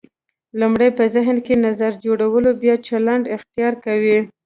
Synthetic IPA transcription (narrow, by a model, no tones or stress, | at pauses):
lumɽajpəzɪɦnkenazaɾd͡ʒoɽawəlobjɑt͡ʃalaɳɖɪxt̪ijɑɾkawi